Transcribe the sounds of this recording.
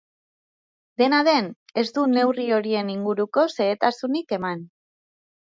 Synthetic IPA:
d̪e̞naðe̞ne̞zd̪une̞wrio̞ɾie̞niŋɡuɾuko̞se̞ːt̪asunike̞man

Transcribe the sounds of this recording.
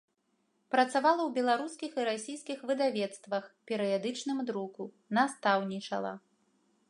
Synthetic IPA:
pɾɐt̪savalˠɐwbʲɛlˠaɾuskʲixiɾasʲijskʲixvɨd̪avʲɛt̪st̪vɐxpʲɛɾɨjad̪ɨt͡ʂnɨmd̪ɾuku | nast̪awnʲit͡ʂɐ̰lˠɐ̰

